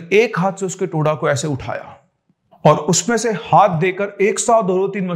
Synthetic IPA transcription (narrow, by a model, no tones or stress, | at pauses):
eːkɦaːt̪ʰseʊskeʈoːɽakoɛːseʊʈʰa̰ːja̰ː | ɔːɾʊsmẽsehaːt̪̚ʰd̪eːkəɾeːksaːd̪oːɾot̪iːnmɐ